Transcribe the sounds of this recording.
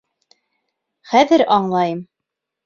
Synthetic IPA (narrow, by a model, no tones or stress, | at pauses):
χæðɘɾɑɴlˠɑjɤm